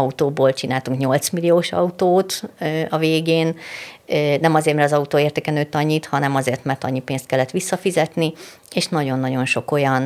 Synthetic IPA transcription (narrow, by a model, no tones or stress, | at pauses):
ɒut̪oːboːlt͡ʃinaːlt̪uŋkɲo̞lt̪smilioːʃɒ̰ut̪oːt̪ːɒveːɡeːnː | nɛmɒzeːrt̪mɛɾrt̪ɒzɒut̪oːeːrt̪ɛkɛnøːt̪ːɒɲːit̪hɒnɛmɒzeːrt̪mɛrt̪ɒ̰ɲːipeːnst̪kɛlːɛt̪ʋisːɒfizɛt̪ni | eːʃnɒɟo̞nːɒɟo̞nʃo̞ko̞jɒn